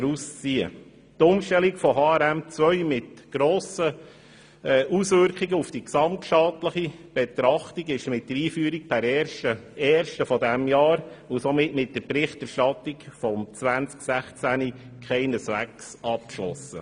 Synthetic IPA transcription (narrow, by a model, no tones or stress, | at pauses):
ɛɾust͡siə̰ | tʊmʃtɛlikfɔɦɑːæɾæmt͡sʋœʏmɪtɡ̥ɾoːsə | ʔusʋʏɾkχiɡəufd̥iksɑmtʃɑtləχib̥ɛt̪ɾɑχtiɡɪʃmɪt̚d̥əɾiːfyːəɾik̚pʰæɾɛʃəɛːɾʃtəfɔdæmjɑːɾʊsɔmɪtmɪt̚d̥əɾpɾɪχtɛɾʃtɑt̪ikfɔmt͡sʋænt͡sksæχt͡sæni | kʰχɛɪnəsʋæksɑp̚kʃlɔ̰sə̰